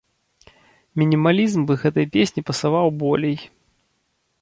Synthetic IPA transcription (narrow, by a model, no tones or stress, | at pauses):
mʲinʲimalʲizmbɨɣɛt̪ɐjpʲesʲnʲipɐsavawbɔlʲɛj